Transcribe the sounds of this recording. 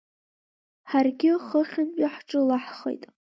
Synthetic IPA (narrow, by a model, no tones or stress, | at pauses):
ħarɡʲɪχəχʲɪmpʼaħʈ͡ʂʼɨlaħχḛjtʼ